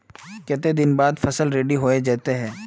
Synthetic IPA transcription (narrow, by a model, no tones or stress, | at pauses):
kɛːt̪ed̪ɪnbaːd̪fɐsəlɾeːɖiɦoːed͡ʒɛːt̪eɦɛ̃ː